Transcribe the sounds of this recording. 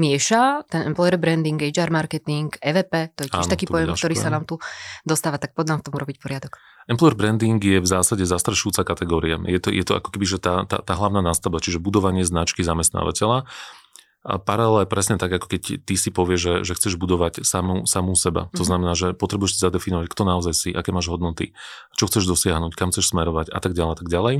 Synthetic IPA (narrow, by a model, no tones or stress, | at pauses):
mɪɛʃat̪ɛnɛmplɔjɛɾbɾɛnd̪iŋɡɛd͡ʒaːɾmaɾkɛt̪iŋɡɛːʋɛːpɛːt̪ɔjɛcːɛʃnt̪akiːtpɔjɛmk̪ɔɾiːsanaːmt̪ud̪ɔst̪aːʋat̪ak̚pɔd̪naːmft̪ɔmuɾɔbicpɔɾɪad̪ɔk | ɛmplɔɛɾbɾɛnd̪iŋɡjɛvzaːsaɟɛzast̪ɾaʃuuːt͡sakat̪ɛɡɔːɾia̰jɛt̪ɔ̰jʔɛt̪ɔʔa̰kɔ̥kɛbiʒɛt̪aːt̪a̰ːt̪aːɦlaʊnaːnaːst̪abat͡ʃiʒɛbud̪ɔʋaɲɪɛznat͡ʃkizamɛst̪na̰ːʋa̰cɛʎa | paɾalɛlɛpɾɛsɲɛt̪aɡakɔ̥kɛct̪isipɔʋɪɛʒʒɛʒɛxt͡sɛʒbud̪ɔʋacsamusamusɛba̰t̪ɔznamɛnaːʒɛpɔt̪ɾɛbujɛʃsizad̪ɛfinɔʋackt̪ɔnaɔzajsiʔakɛːmaːʒɦɔd̪nɔt̪ḭt͡ʃɔxt͡sɛʒd̪ɔsɪaɦnuːckamxt͡sɛʃsmɛɾɔʋaca̰t̪aɡɟalɛat̪aɡɟalɛj